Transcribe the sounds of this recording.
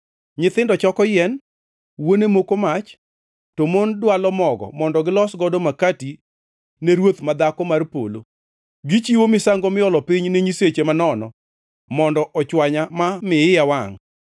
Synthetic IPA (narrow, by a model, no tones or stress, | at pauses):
ɲɪt̪ɪndɔt͡ʃɔkɔjɛn | wonemokomat͡ʃ | tomondwalɔmɔɡɔ̰mɔndɔɡɪlɔsɡɔdomakati | neɾwot̪mad̪akɔmarpo̰lo̰ | ɡɪt͡ʃiwomɪsaŋɡomɪɔlɔpiɲneɲiset͡ʃemanɔnɔ̰ | mɔndɔʔɔt͡ʃwaɲamamɪɪjawaŋ